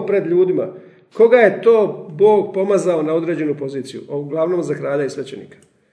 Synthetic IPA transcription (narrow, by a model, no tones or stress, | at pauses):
pɾe̞d̪ʎuːd̪ima̰ | ko̞ɡaje̞t̪o̞ːbo̞ːɡpo̞mazaonao̞d̪ɾe̞ːd͡ʑe̞nupo̞ziːt̪sijṵʔoɡlˠaʋno̞ːmzakɾaːʎaisʋet͡ɕe̞̰nḭːkḁ